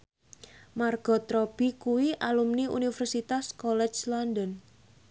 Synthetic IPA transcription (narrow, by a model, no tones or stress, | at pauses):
marɡ̥ɔt̪ɾɔb̥ikuwiʔalumniṵnifərsit̪askɔlɛt͡ʃlɔndən